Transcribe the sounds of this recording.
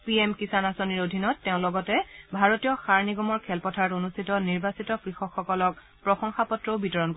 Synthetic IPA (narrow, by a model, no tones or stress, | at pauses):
piemkisanasoniɹodʱinɔtːeʊ̃lɔɡɔtɛbʱaɹotijɔxaɹniɡɔmɔɹkʰɛlpɔtʰaɹɔtonustʰitɔniɹbasitɔkɹixɔkxːɔkɔlɔk̚ | pɹɔxɔŋxapɔtɹoʊbitɔɹɔnk